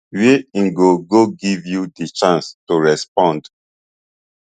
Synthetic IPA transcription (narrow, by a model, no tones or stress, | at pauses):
weĩŋɡoɡoɡivjudet͡ʃãnstuɹɛspɔ̃nd